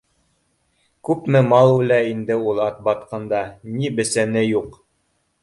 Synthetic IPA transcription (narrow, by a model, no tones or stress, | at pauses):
kʉpmɘmɑlˠulæind̪ɘulˠɑt̪̚bɑt̪qɤnd̪ɑnibɘ̆sænɘjuq